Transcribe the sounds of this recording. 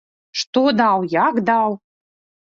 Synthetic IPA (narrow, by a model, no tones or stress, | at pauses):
ʂt̪od̪ɑwjɑkd̪ɑw